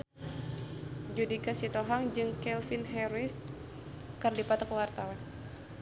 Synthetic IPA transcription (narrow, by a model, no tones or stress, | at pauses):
d͡ʒudikasit̪oɦaŋd͡ʒɨŋkɛlfinɦɛɾɪs | kərdipat̪ɔkəwart̪awan